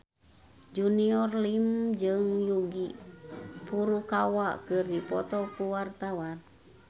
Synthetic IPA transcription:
d͡ʒuniɔrlimd͡ʒɨŋjuɡi | puɾukawakɨrdipɔt̪ɔkuwart̪awan

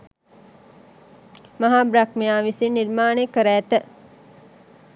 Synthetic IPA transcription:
maɦaːbɾakmejaːʋisiniɾmaːnekəɾæːt̪ə

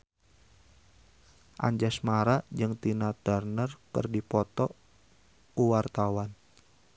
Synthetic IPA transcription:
ʔa̰ɲd͡ʒasmaɾad͡ʒɨŋt̪inat̪ərnərkɨ̰rdipɔt̪ɔ | uwart̪awan

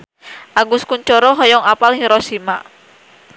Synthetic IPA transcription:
ʔaɡuskuɲt͡ʃɔɾɔɦɔjɔŋapalhiɾɔsima

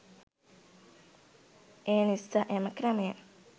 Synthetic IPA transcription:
eːnisaʔeməkɾəməjə

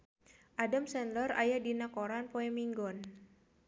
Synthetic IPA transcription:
ʔadamsɛnlɔra̰jadinakoɾanpoɛmiŋɡɔn

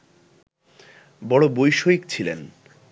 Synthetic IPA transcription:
bɔɽobojʃoikt͡ɕʰilḛn

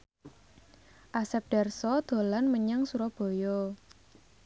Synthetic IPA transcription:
ʔasɛp̚ɖ̥ɛrsɔd̪̥o̤lanməɲaŋsuɾɔb̥o̤jɔ

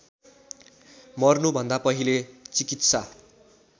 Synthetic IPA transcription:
mʌrnubʱʌnd̪apʌɦilet͡sikit̪sa

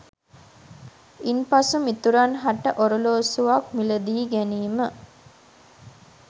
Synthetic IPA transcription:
inpasumit̪uɾanɦaʈːəʔoɾəloːsuʋakmiləd̪iːɡæniːmə

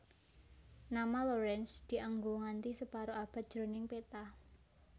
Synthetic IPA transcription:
namaloɾɛnsd̪̥i̤ʔaŋɡoŋant̪isəpaɾoab̥a̤t̪̚ʒ̥ɾonɪŋpet̪ah

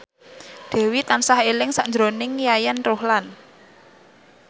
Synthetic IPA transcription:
d̪̥ɛ̤wit̪ansahelɪŋsaʔɲd͡ʒɾonɪŋjajɛnrohlan

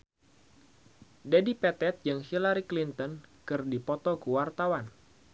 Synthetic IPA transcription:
dadipɛt̪ɛt̪̚jɨŋhilaɾiklint̪ɔnkɨrdipɔt̪ɔkəwart̪awan

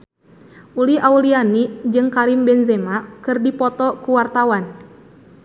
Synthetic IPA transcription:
uliʔaulianid͡ʒɨŋkaɾimbɛnzemakɨrdipɔt̪ɔkuwart̪awan

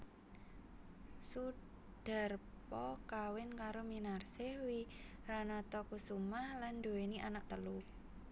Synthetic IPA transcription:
su | ɖ̥a̤r | pɔkawɪnkaɾominarsewiranat̪ɔkusumahland̪oweniʔanak̚t̪əlu

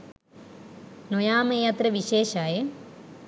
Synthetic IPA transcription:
nojaːmɐjaːt̪rɐʋiɕeːɕaːje

